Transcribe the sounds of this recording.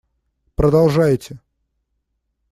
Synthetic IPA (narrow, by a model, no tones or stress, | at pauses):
pɾəd̪ɐlˠʐajɪtʲɪ